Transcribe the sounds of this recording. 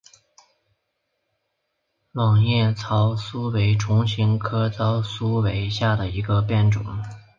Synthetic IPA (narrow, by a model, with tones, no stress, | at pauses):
wɑ˨˩ŋjɛ˥˩t͡sʰɑ˧˥ʊsu˥we˧˥ɪʈ͡ʂʰʊ˧˥ŋɕi˧˥ŋkʰɤ˥t͡sɑ˥ʊsu˥we˧˥ɪɕja˥˩d̪ə˩i˧˥ɡə˧pjɛ˥˩nʈ͡ʂʊ̰˨˩˦ŋ